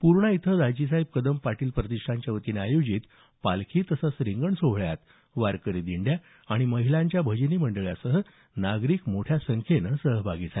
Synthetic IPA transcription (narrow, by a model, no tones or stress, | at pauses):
puɾɳəit̪ʰəd̪ad͡ʑis̬ajb̚kəd̪əmpaʈiːlpɾət̪iʂʈʰaɲt͡ɕjaʋət̪iːneajod͡ʑiːt̪ | palkʰiːt̪əsasɾiŋɡəɳsoɦɭja̰t̪ | ʋaɾkəɾid̪iɳɖja | aɽ̃iməɦilãɲt͡ɕjabʱəd͡ʑniːməɳɖəɭja̰səɦə | naɡɾiːkmoʈʰjasəŋkʰenəsəɦəbʱaɡiːd͡zal